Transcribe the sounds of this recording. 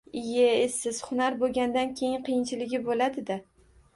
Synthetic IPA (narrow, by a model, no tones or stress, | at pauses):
ɪjeesːɪz̥hʊnaɾboɡʲand̪ankʲʰe̞jɪŋqɨjɪnt͡ʃʰɪlɪɡʲɪbolad̪ɪd̪a